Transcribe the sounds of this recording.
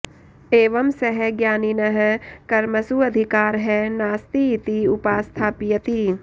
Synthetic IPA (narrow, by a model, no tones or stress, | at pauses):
eːʋɐmsɐɦɛɡjaːninɐɦɛkɐɾmɐsuɐd̪ʱɪkaːɾɦɛnaːst̪iːt̪iʊpaːst̪ʰaːpɪjɐt̪i